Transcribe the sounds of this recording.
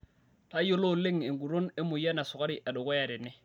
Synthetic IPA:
ta˦jo˦lo˦˨lɪ˦ŋe˨ŋɡu˨ɾo˦ne˦mʊ˨ja˦na˨sʊ˨ka˦ɾɪ˨ʔa˨dɔ˨kɔ˦ja˨ɾɪ˨nɪ˦

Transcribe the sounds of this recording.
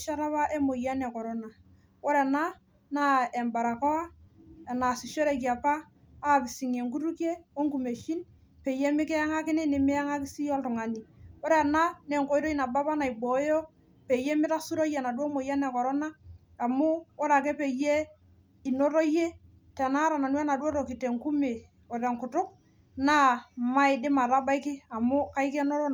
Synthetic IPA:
ʃa˦ɾa˦pa˦ʔe˦mo˨ja˦nɛ˨kɔ˨ɾo˦na˨ | wo˦ɾe˨na˦ | na˦e˨mba˨ɾa˨kɔ˦a˦˨na˨si˨ʃo˦ɾe˨k̬i˨a˨paː˦˨ | pɪ˨si˨ŋe˨ŋku˦ɾu˦kje˦o˦ŋku˨me˨ʃi˦n | pe˨je˦mɪ˦kɛ˦a˦ŋa˦kɪ˦nɪ˦nɪ˨mɪ˦a˦ŋa˦kɪ˦si˦jɔ˦ltʊ˨ŋa˨ni˨wo˦ɾe˦˨na˦ne˨ŋko˦jɾo˦i˦na˨ba˦pa˦na˨i˨bo˨˦jo˦ | pe˨je˦mɪ˦ɾa˦su˦ɾo˦jɛ˨na˨dwo˦mo˨ja˦nɛ˨kɔ˨ɾɔ˦na˦ | a˨mʊ˦ɔ˦ɾa˨k̬ɛ˦pe˨je˦ | ɪ˨no˦ɾo˦je˦ | tɛ˨na˦ɾa˨na˨nwɛ˦na˨do˦ɾo˨ki˨te˨ŋku˦me˨ | ɔ˨ɾe˨ŋkʊ˨tʊ˦k̚ | na˦ma˦ɪ˨dɪ˦ma˨ɾa˦ba˦ɪ˦kɪ˦a˨mʊ˦ka˦i˦kɛ˦no˦ɾo˦

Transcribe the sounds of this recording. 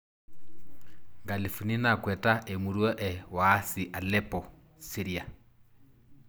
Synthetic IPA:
ŋɡa˨li˨fu˨ni˦na˨kwɛ˨ta˦ʔɛ˨mu˨ɾu˦ɔ˦ʔɛ˨waː˦si˨ʔa˨lɛ˦pɔ | si˦ɾia˨

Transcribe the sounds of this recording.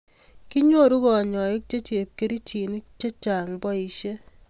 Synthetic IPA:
ki˦ɲwo˦˨ɾu˦kɔ˨ɲɔ˨i˦k̚t͡ʃe˦t͡ʃe˨p̚ke˦ɾi˦t͡ʃi˨ni˦k̚t͡ʃe˦t͡ʃa˨ŋbɔ˦i˨ʃe˦

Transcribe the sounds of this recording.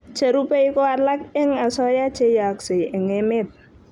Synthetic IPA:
t͡ʃe˨ɾu˦pe˦jkɔ˦a˨la˦k̚ɪ˦ŋa˨sɔ˦ja˦t͡ʃe˦ja˨kse˨ɪ˨ŋɪ˨mɪ˦t̚

